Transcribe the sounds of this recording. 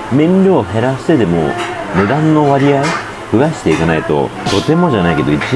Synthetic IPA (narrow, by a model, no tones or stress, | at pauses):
mẽ̞ɲɾʲoːɦe̞ɾaɕi̥t̪e̞d̪e̞mo̞̰ | mɯ̟d̪ãnːo̞βaɾʲiai | kɯ̟ɡaɕi̥t̪e̞ikanait̪o̞̰t̪o̞t̪e̞mo̞ʑanaike̞d̪o̞it͡ɕi